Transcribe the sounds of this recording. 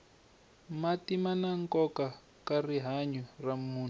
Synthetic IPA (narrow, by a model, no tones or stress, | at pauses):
matimanaŋkɔka | kariɦaɲɔramuːn